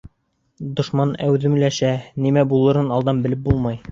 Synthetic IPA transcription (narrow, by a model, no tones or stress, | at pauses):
d̪ŏʃmɑnæwðɘ̆mlæʃænimæbulˠɤ̆ɾɤnɑlˠd̪ɑmbɘ̆lɘp̚bulˠmɑj